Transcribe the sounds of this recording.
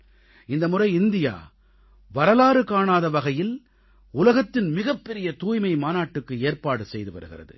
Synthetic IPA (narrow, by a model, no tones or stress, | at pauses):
ɪnd̪ɐmʊrɐɪɪnd̪ɪja̰ː | ʋɐɾɐlaːɾɯkaːɳaːðɐʋɐɣɐjɪl | ʊlɐɣɐt̪ːɪnmɪɣɐpːɛɾɪjɐt̪uːjmɐɪmaːnaːʈːɯkːɯeːɾpaːɽɯsɛjðɯʋɐ̰ɾɯɣɪ̰rɐðɯ̰